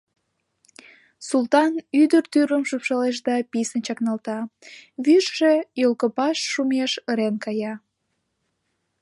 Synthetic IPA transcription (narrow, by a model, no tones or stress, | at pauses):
sult̪ɑnyd̪ərt̪yɾəmʃupʃɑleʃ̬d̪ɑpisənt͡ɕɑknɑlt̪ɑβyʃʒejolkəpɑʃːumeʃəɾenkɑjɑ